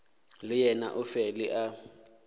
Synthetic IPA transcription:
lɪjɛna̰ʔʊfɛlɪʔa

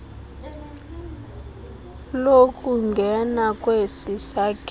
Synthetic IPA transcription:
lokʼuŋɡʱɛnakʼwesisakʼ

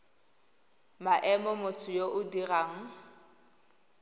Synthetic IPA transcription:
maʔɛmɔmʊt͡sʰʊjoʔʊdiraːŋ̩

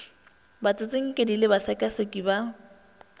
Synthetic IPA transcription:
bat͡sʼɪt͡sʼɪŋ̩kʼɪdilɪbasakʼasekʼiba

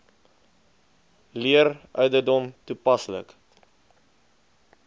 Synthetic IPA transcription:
liərʔœɥdərdɔmtupɐslə̰k

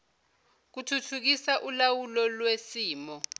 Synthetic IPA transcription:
k̬utʰutʰuk̬isaʔulawulɔlwesiːmɔ

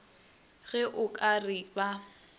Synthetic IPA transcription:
ɣɛʔʊkʼarɪba

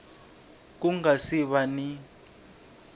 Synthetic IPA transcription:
k̬uŋasiɓani

